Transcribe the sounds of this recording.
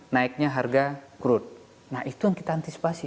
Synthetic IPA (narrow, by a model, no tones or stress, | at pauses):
naik̚ɲaɦarɡakuɾʊt̪̚ | nahit̪ujaŋkit̪aːnt̪isi̥pasi